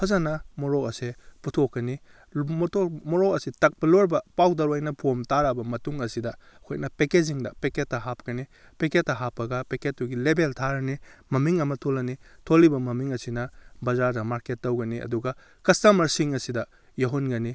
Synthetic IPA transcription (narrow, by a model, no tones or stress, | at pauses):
pʰɐzanɐmoɾɔkɐseputʰokːɐni | mtʰomɔɾɔkɐsitɐk̚pɐloɾbɐpawdɐɾwajnɐpʰomtaɾabɐmɐtuŋɐsidɐːkʰojnɐpekeziŋdɐpeketːɐɦap̚kɐni | peketːɐɦapːɐɡɐpeket̚ːuɡilebeltʰaɾɐnimɐmiŋɐmɐtʰolːɐnitʰolːibɐmɐmiŋɐsinɐbɐzaɾdɐmaɾketːɐwɡɐniʔɐ̰duɡɐ | kistɐmɐɾsiŋɐsidɐ | jɐɦunɡɐni